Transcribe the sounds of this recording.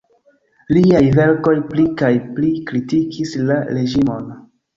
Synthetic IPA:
liajve̞ɾko̞jplikajplikɾitikislaɾe̞ʒimo̞n

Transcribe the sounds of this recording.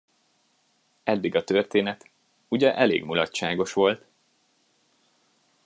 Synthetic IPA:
ɛd̪ːiɡɒt̪ørt̪eːnɛt̪ | uɟɛʔɛlḛːɡmulɒtʃaːɡo̞ʃʋo̞lt̪

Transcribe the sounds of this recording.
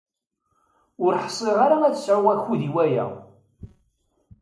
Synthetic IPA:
ʊɾħə̥sˤːeʁaɾaæðəsʕʊʁæçuðiwæjæ̰

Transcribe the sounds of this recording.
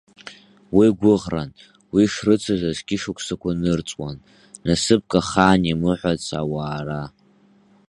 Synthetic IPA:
wiɡʷʊʁran | wiʂrɨt͡sʷʰazʷazɡʲɪʂukʷʰʼsakʷʰanɨrt͡sʼwanː | asɨp̚kʼaχaːnimɨħʷat͡sʰa̰waːra

